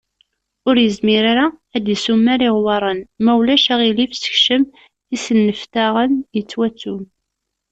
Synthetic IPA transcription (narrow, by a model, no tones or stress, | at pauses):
ʊɾjəzmiɾaɾaæd̪isumːæɾiʁwɑɾˤənmæwlæʃæʁilifsə̥çʃəm | isənːəft̪aʁənjət͡sːwæt͡sːum